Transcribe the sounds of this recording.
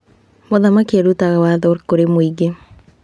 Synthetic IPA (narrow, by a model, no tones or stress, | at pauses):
moðamakiaɾutaɣawaðoɾkoɾemoiɡe